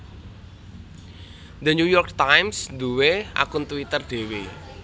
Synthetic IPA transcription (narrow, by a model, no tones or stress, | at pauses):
d̪əɲujɔrk̚t̪ajmsd̪uweʔa̰kʊnt̪uwit̪ərɖ̪̥e̤we